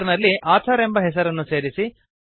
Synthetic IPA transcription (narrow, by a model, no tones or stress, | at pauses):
ɾnɐlːiʔaːt̪ʰɐɾembɐɦɛs̬ɐɾɐnːuse̞ːɾisi